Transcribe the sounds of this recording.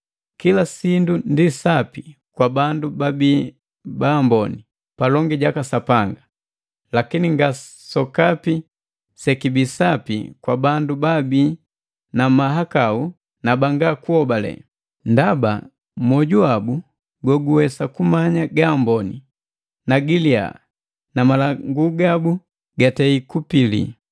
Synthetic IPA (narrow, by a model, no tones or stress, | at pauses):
kilasindundisapikwabandubabiː | baːmbɔni | palɔŋɡiɟakasapaŋɡa | lakiniŋɡa | sɔkapi | sɛkibisapḭkwabandubabiː | namaɦakau | nabaŋɡakuɔbalɛ̰ | ndaba̰ | mwɔɟuabu | ɡwɔɡuwɛsakumaɲaɡambɔnḭ | naɡilia̰ | namalaŋɡuɡabu | ɡatɛikupilḭ